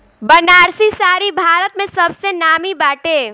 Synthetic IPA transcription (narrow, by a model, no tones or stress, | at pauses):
bənaːɾsisaːɾibʱaːɾət̪̚mẽsɐbsenaːmibaːʈe